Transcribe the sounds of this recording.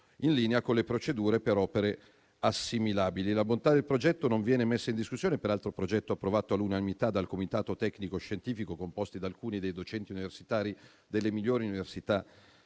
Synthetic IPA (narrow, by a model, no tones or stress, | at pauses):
inliːneakonlepɾot͡ʃed̪uːɾepeɾɔːpeɾe | asːimilaːbililabont̪ad̪elpɾod͡ʒɛt̪ːonoɱvjɛːnemesːaind̪iskusːjoːnepeɾalt̪ɾopɾod͡ʒɛt̪ːoapːɾovaːt̪oalːunanimit̪ad̪alkomit̪aːt̪ot̪ɛknikoʃːent̪iːfikokompost̪id̪alkuːnid̪ejd̪ot͡ʃɛnt̪iuniversit̪aːɾi | d̪elːemiʎːoːɾiuniversit̪a